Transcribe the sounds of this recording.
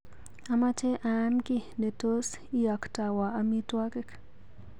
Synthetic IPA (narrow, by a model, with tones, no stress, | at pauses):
a˨ma˦t͡ʃɛ˦ʔankɪ˦ne˨to˦s | i˦a˨kta˨wa˨ami˦twa˦kɛ˦k